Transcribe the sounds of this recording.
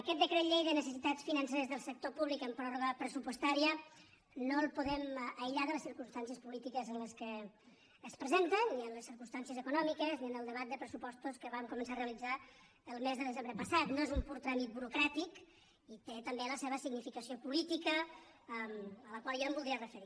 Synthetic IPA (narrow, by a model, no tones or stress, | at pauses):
əkɛt̪d̪əkɾet̪ʎejðənəsəsit̪att͡sfinənseɾəzðəlˠsək̚t̪opuβlikəmpɾɔrβəpɾəsupwəst̪aɾiə | nolˠpuðɛməjʎaðələsiɾkunst̪ans̬iəspulit̪ikəzənləskəː | spɾəzent̪ənːiənləsiɾkunst̪ansiəzəkunɔmikəzniənəlˠd̪əβat̪̚d̪əpɾəsupɔst̪uskəβamkumənsareəlid͡za | əlˠmezðəðəzembɾəpəsat̪noezumpuɾt̪ɾamit̪̚buɾukɾat̪ik | it̪et̪əmbeləseβəsiɡnifikəsiopulit̪ikə | mələkwalˠʒaəmbulˠd̪ɾiərəfəɾi